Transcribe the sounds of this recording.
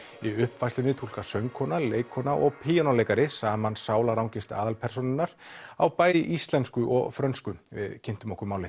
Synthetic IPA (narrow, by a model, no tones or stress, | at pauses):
iʏhpvajslʏnɪt̪ʰul̥kasœŋkʰɔːnaleːjkʰːɔːnaʔɔɣpʰiːjɔnalejkaɾɪsaːmansaːwlaɾawŋcɪst̪a̰ːðalpʰɛɾ̥sonɪnːaɾ̥a̰wpaːjðɪʔist̪lɛnskʏʔɔ̰ɣfɾœnskʏvɪ̰ðcʰɪn̥t̪ʏmɔhkʏɾmaːwlɪ